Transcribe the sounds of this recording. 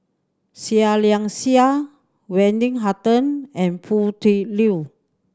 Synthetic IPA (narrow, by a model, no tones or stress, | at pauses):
sialiaŋsia | wɛndiŋɦat̪ənɛ̃npʰut̪ili